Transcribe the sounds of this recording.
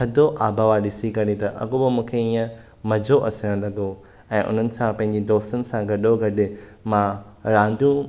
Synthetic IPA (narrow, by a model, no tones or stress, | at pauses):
kʰɐd̪ʱoʔaːbʱaʋaɗɪsikɐɽĩt̪ɐʔɐ̰ɡobɐmũːkʰeiːə̃ | mɐd͡ʑʱoʔɐsəɽə̃lɐɡo | ɛ̃ːʔʊ̰n̤ənɪ̆sãpɐ̃ɦɪ̃ɲ̆d͡ʑed̪ɔːst̪ənɪ̆sãɡɐɗoɡɐɗɪmã | ɾãːnd̪jũ